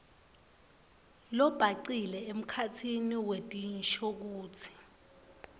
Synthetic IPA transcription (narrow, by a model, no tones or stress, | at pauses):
lɔb̥ʱaǀilɛem̩kʰatʰiniwetʼinʃɔk̬uːt͡sʰi̥